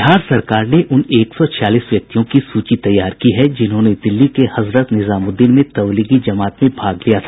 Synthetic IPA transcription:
ɦaːɾsɐɾkaːɾneʔʊneːksɔt͡ʃʰjaːliːsʋjɐk̚t̪ijõkisuːt͡ʃit̪ɐjːaːɾkiɦɛd͡ʒɪnɦõned̪ɪlːikehɐzɾət̪nɪzaːmʊd̪inmẽt̪ɐʋliːɡid͡ʒɐmaːt̪mẽbʱaːɡlijat̪ʰa

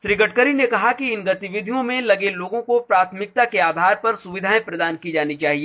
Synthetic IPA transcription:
ʃɾiːɡəʈ̚kəɾinekɐɦakiɪnɡɐt̪ɪʋɪd̪ʱijõmẽlɐɡeloːɡõkopɾaːt̪ʰmɪk̚t̪akeaːd̪ʱaːɾpɐɾsʊʋɪd̪ʱaːẽpɾɐd̪aːnkid͡ʒaːnit͡ʃaːɦieː

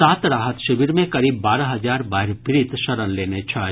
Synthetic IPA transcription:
aːt̪ɾaːɦət̪ʃɪbiɾmẽkɐɾiːbːaːɾaɦɐzaːɾbaːɦɪɾpɪɾit̪ʃɐɾənleːnet͡ʃʰaː

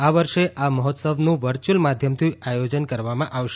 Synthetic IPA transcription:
aʋəɾʃeʔaməɦɔt̪səʋnũʋəɾt͡ʃulmad̪ʱjəmt̪ʰiajod͡ʒənkəɾʋamãʔaʋʃe

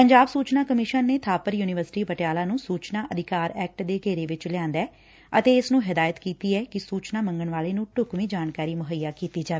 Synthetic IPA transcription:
pəɲd͡ʒaːbsuːt͡ʃnaːkəmɪʃənːeːt̪ʰaːpəɾjuːnɪʋəɾsɪʈiːpəʈɪjaːlaːnũːsuːt͡ʃnaːʔəd̪ɪkaːɾɛːk̚ʈd̪eːɡeːɾeːʋɪt͡ʃlɪãːnd̪ɛː | ət̪eːɪsnũːɦɪd̪aːjət̪kiːt̪iːɛːkɪsuːt͡ʃnaːmə̃ŋɡəɳʋaːleːnũːʈʊkʋĩːd͡ʒaːnkaːɾiːmʊɦəjːaːkiːt̪iːd͡ʒaːeː

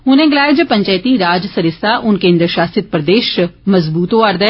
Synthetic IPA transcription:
ʊnẽːɡɪlaːjed͡ʒəpəɲt͡ʃaːt̪iːɾaːd͡ʒsəɾɪsaːʔʊnkẽːnd̪əɾʃaːsɪt̪̚pɾəd̪eːʃməzbuːt̪õɐɾd̪

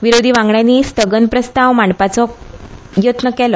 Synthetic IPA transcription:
ʋiɾod̪ʱiːʋãŋɡɳjanːiːst̪əɡənpɾəst̪aʋmaɳpat͡sɔ | jot̪nəkɛlɔ

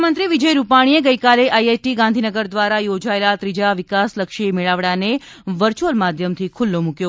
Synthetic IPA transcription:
mənt̪ɾiʋid͡ʒəjɾupaɽ̃ieɡəjkaleʔajeʈiɡãnd̪ʱinəɡəɾd̪ʋaɾajod͡ʒaelat̪ɾid͡ʒaʋɪkasləkʃimiɭaʋɽane | ʋəɾt͡ʃolmad̪ʱjəmt̪ʰikʰʊlːomũkjo

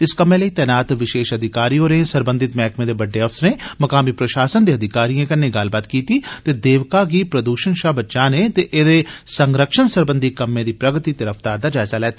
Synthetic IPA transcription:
ɪskəmẽːləiːt̪ɛːnaːt̪ʋɪʃeːʃəd̪ʱɪkaːɾijõɾẽːsəɾbə̃nd̪ɪt̪mɛːkmẽːd̪eːbəɖːeɔfsɾẽːmɐkaːmiːpɾəʃaːsənd̪eːɐd̪ʱɪkaːɾijãkɐnːeɡaːlbaːt̪kiːt̪iːt̪eːd̪eːʋkaːɡiːpɾəd̪uːʃənʃaːbətːʃãːnet̪eʔeːd̪eːsəŋɡɾəkʃənsəɾbə̃nd̪ʱikəmːẽːd̪iːpɾəɡt̪it̪əɾəfʰt̪aːɾd̪aːd͡ʒaːɪzaːlɛːt̪aː

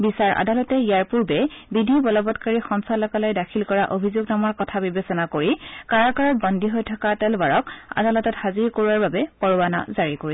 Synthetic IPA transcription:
bisaɹʔa̰dalɔtɛijaɹpuɹbɛbidʱibɔlɔbɔtkaɹixɔnsalɔkalɔjdakʰilkɔɹaʔobʱizoɡnamɔɹkɔtʰabibesɔnakoɹikaɹakaɹɔt̚bɔndʱiɦojtʰɔkatɛlbaɹɔka̰dalɔtɔthaziɹkoɹuwaɹbabɛpɔɹuana̰zaɹikoɹis

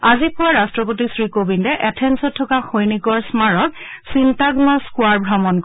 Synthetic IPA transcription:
azipʊwaɹastɹɔpotisɹikobindɛʔɛtʰɛnsɔtʰːɔkaxojniɡɔɹsmaɹɔk | sintaɡnɔskʊaɹbʱɹamɔnk

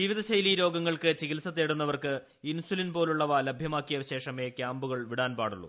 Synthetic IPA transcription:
d͡ʑiʋiðɐɕɐjliːɾo̞ːɡɐŋːɐɭkɨt͡ɕiɣilsɐt̪ːeːɽunːɐʋɐrkɨ | insulinpo̞ːluɭːɐʋaːlɐbʱjɐmaːkːijɐɕe̞ːʂɐme̞ːkjaːmbuɣɐɭʋiɽaːnpaːɽuɭːṵ

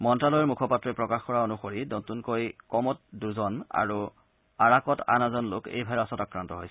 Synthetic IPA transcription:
mɔntɹalɔjɔɹmukʰɔpatːɹɔpɹɔkaxkɔɹaonuxoɹinotunkojkɔmɔt̚duzɔna̰ɹu | aɹakɔta̰nazɔnlokḛjbʱaɔsɔtakɹantɔɦojsɛ̥

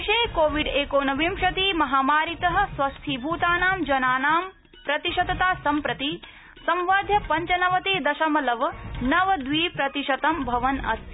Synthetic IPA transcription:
ʃeːkoːʋiɖeːkoːnɐʋimʃɐt̪iːmɐɦaːmaːɾit̪ɐɦɐ̆sʋɐst̪ʰiːbʱuːt̪aːnaːmd͡ʒɐnaːnaːm | pɾɐt̪iʃɐd̪ɐt̪aːsɐmpɾɐt̪i | sɐ̃mʋaːd̪ʱjɐpɐɲt͡ʃɐnɐʋɐt̪eːd̪ɐʃɐmɐlɐʋɐnɐʋɐd̪ʋiːpɾɐt̪iʃɐt̪ɐmbʱɐʋɐnɐ̰s

